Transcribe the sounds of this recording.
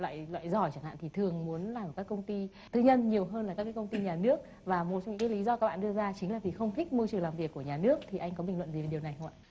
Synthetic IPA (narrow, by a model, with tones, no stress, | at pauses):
lwa̰ː˧˨jlwa̰ː˧˨jzɔ˧˩jt͡ɕa˧˩ŋha̰ː˧˨t̪ʰi˨˩t̪ʰɨ˨˩əŋmu˨˦ənlaː˨˩m̚ː˨˩kaː˦˥kə˧wŋ͡mt̪i˧ | t̪ʰɨ˧ɲə˧nɲi˨˩əwɦəː˧nlaː˨˩kaː˦˥kːaː˨˦kə˧wŋ͡mt̪i˧ɲaː˨˩nɨ˦˥ək̚ | vaː˨˩mo˨˩t̚t͡ɕa˧ŋ͡mɲɨ̰˧˥kːaː˨˦li˨˦zɔ˧ka˦˥k̚ɓa̰ː˧˨ɗɨ˧əzaː˧t͡ɕï˨˦ŋ̟laː˨˩vi˨˩xə˧wŋ͡mt̪ʰï˦˥k̚mɨ˧t͡ɕɨ˨ə˩ŋlaː˨˩mvi˨˩əkːu˧˩əɲaː˨˩nɨ˦˥ək̚t̪ʰi˨˩ʔa˧jŋ̟kɔ˨˦ɓï˨˩ŋlwə̰˧˨nzi˨˩ve˨˩ɗi˨˩əwna˨˩jɦə˧ŋ͡ma̰˧˨